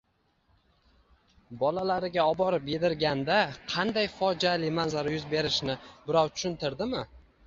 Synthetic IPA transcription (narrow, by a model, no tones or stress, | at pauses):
bɒlalaɾɪɡʲaɒbɒɾɪp̚be̞d̪ɪɾɡʲand̪aqʰɑnd̪ajfɒd͡ʒalɪmanzaɾajʊzbe̞ɾɪʃnɪbɪɾɒwt̪ʰʊ̥ʃʊnt̪ɪɾd̪ɪmɪ